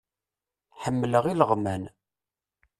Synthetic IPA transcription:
ħəmːləʁiləʁmæn

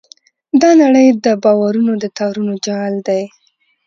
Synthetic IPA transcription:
d̪ɑnaɽəjd̪əbɑwaɾunod̪ət̪ɑɾunod͡ʒald̪aj

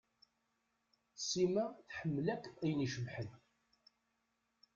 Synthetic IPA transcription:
simæθħəmːəlækːæjniʃəvħən

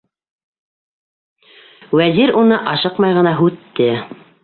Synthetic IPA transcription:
wæziɾunɤʔɑʃɤqmɑjʁɤ̆nɑɦʉt̪ːɘ

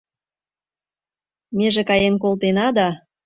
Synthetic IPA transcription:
meʒĕkɑjenk̬olt̪enɑd̪ɑ

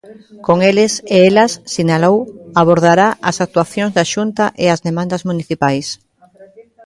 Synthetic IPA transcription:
koŋelɪseelasːinalowaβ̞oɾð̞aɾaʔasak̚t̪waθjoŋzðaʃunt̪aʔeazðemãnd̪azmũniθipajs

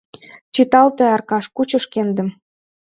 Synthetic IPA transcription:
t͡ɕit̪ɑlt̪ĕɑrkɑʃkut͡ɕə̆ʃkend̪ə̆m

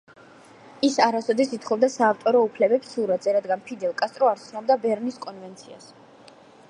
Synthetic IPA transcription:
isaɾasɔd̪ɛsit̪χɔbd̪asaːft̪ʼɔɾɔupʰlɛbɛpsːuɾad̪zɛɾad̪ɡanpʰid̪ɛlˠkʼast̪ʼɾɔaɾt̪sʰnɔbd̪abɛɾniskʼɔnvɛnt̪sʰia̰s

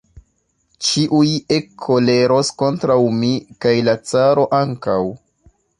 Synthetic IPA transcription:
t͡ʃiʔuje̞kʰːo̞le̞ɾo̞sko̞ntɾawmikajlat͡saɾo̞ʔaŋkaw

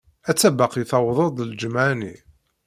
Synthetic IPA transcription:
æt͡sːæbɑqiθɑwðˤəd̪ˤld͡ʒəmʕani

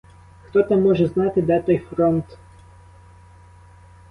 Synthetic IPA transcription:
xt̪ɔt̪amːɔʒɛznɑt̪ɪd̪ɛt̪ɔjfɾɔnt̪

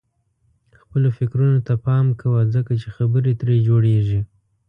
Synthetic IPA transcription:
xpəlofɪkɾunot̪apɑmkʰawazəkat͡ʃexabəɾet̪ɾed͡ʒoɽeʐi

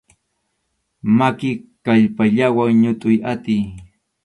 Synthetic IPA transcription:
makɪkaʎpaʎawaŋɲʊt̪ʼʊjat̪ɪj

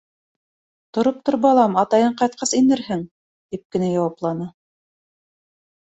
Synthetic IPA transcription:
t̪ŏɾop̚t̪ŏɾbɑlˠɑmɑt̪ɑjɤɴqɑjt̪̚qʰɑsinɘɾhɘŋ | t̪ip̚kɘ̆næjɑwɑplˠɑnɤ

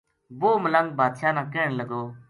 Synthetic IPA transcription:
ʋoːmələŋɡ̚bʱaːd̪ʃaːnãːkeːɳləɡoː

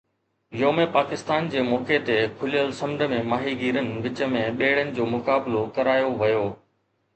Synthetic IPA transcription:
joːmẽpaːkɪst̪aːnd͡ʑeːmɔːket̪ekʰʊlijəlsɐ̃md̪ʱə̆mẽmaːɦiɡiːɾənɪ̆ʋɪt͡ɕə̆mẽɓeːɽənɪ̆d͡ʑoːmʊkaːblokɐɾaːjoʋɐjoː

